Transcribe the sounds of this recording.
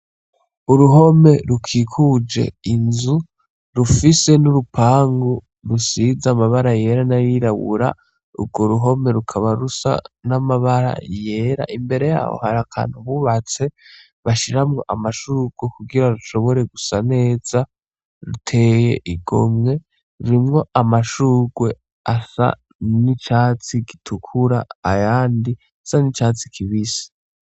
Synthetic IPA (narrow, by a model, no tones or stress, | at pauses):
uɾuɦo̞me̞ɾukʰikʰud͡ʒe̞̰inzu | ɾufise̞nuɾupʰaːŋɡo | ɾusizamaβaɾaje̞ɾanaɾiɾaβṵɾa̰ | ṵbɡo̞ɾuɦo̞me̞ɾukʰaβaɾusa̰namaβaɾa̰je̞ːɾa̰ʔimbe̞ɾe̞ja̰ːho̰haɾakʰa̰ːnhuβuβat͡se̞ | βaʃiɾamŋo̞ʔamaʃuːɡ̥wekuɡiɾaɾuʃo̞βo̞ɾe̞ɡusane̞ːz̥a | ɾutʰe̞ːje̞̰ʔiɡo̞mŋe̞ | ɾuɾimŋo̞ʔamaʃuːɡwe̞ | asa̰ | nit͡ʃat͡siɡitʰukʰuɾaajaːndi | sanit͡ʃaːt͡si̥kʰiβisi̥